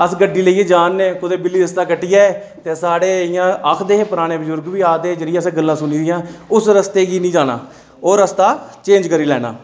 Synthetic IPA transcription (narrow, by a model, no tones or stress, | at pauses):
əsɡəɖːiːləieːd͡ʒaːnːeːkʊd̪eːbɪlːiːɾəst̪aːkəʈːɪjaːɛː | t̪eːsaːɽeːɪjãːəkʰd̪eːɦːpʊɾaːnẽːbəzʊɾɡʋiːaːd̪eːd͡ʒəɽɪjãːsɡəlːãːsʊniːd̪ɪjãːʊsɾəst̪eːɡiːnĩːd͡ʒaːna̰ː | oːɾəst̪aːt͡ʃẽːd͡ʒkəɾiːlɛ̰ːna̰ː